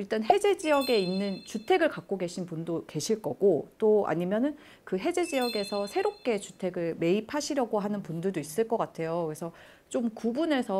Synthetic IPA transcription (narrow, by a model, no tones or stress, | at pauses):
iɭt͈anɦe̞d͡ʑe̞d͡ʑijʌɡe̞inːɯnt͡ɕutʰe̞ɡɯɭkak̚k͈oɡe̞ɕʰinpundoke̞ɕʰiɭk͈ʌɡ̥ot͈oa̰ɲimjʌnɯn | kɯɦe̞d͡ʑe̞d͡ʑijʌɡe̞sʰʌsʰe̞ɾop̚k͈e̞t͡ɕutʰe̞ɡɯɭme̞ipʰaɕʰiɾjʌɡoɦanɯnpundɯɭdois͈ɯɭk͈ʌk͈atʰe̞jokɾesʰʌ | t͡ɕ͈omkubune̞sʰʌ